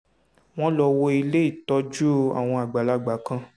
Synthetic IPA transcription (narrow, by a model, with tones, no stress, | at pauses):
w̃ɔ̃˦lɔ˧wo˧i˧le˦i˦˨tɔ˨˦d͡ʒu˦a̰˨w̃ɔ̃˧a˨ɡ͡ba˨la˧˦ɡ͡ba˨˦kã˧